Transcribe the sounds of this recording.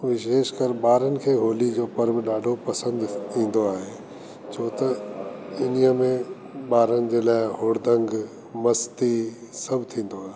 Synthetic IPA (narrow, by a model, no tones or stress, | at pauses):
ʋɪʃeːʃkəɾɓaːɾənɪ̆kʰeːɦoːlid͡ʑoːpɐɾʋɗaːɖʱopɐsə̃nd̪ĩːn̆d̪oaːɦeː | t͡ɕʰoːt̪ɐ | ɪnijəmẽ | ɓaːɾənɪ̆d͡ʑeːlaːɪɦoːɽd̪ʱə̃ŋɡ | mɐst̪isɐbʱt̪ʰĩːn̆d̪oaːɦe